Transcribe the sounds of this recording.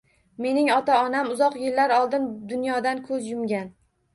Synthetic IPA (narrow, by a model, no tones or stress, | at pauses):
me̞nɪŋɒt̪ʰaɒnamʊzɒqjɪlːaɾɒlˠd̪ɪnd̪ʊnjɒd̪ankʰɵzjʊmɡʲan